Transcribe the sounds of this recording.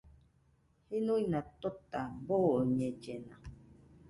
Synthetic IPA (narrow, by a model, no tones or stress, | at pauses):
hinũinãt̪ot̪aboɲẽd͡ʒenã